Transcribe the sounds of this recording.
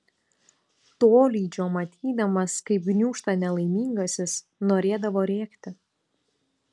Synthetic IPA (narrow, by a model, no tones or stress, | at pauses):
t̪oːlʲiːd͡ʒʲoːmɐt̪ʲʰiːd̪ɐmɐskɐɪp̚ɡnʲuːʃt̪ɐnʲɛlˠɐɪmʲiːŋɡɐsʲɪs | noːɾʲeːd̪ɐʋoːɾʲeːkt̪ʲɪ